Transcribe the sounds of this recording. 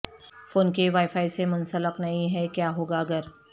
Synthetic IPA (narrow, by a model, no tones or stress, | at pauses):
foːnkeʋaːɪfaːisemʊnsələqnɐɦĩɦɛkjaːɦoːɡaɐɡəɾ